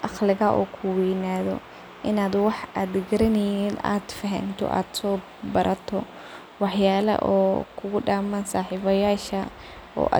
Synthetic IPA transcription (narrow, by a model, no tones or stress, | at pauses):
ʔɑqlɪɣɐʔɔ̰ːkʰʊwɛjnaːðɔ̰ | ʔɪnaːd̪wɑħaːd̪ɡɐɾɐnɛjiːna̰ːd̪fɐɦɐ̰nt̪ʰɔ̰ʔa̰ːd̪̥sɔː | bɐɾʔɐt̪ʰɔ | wɑħjaːlɐ̰ʔɔ̰ːkʰʊɣʊɖaːmansaːħiːβɐjaːʃɐ | ɔ̰ːʔa̰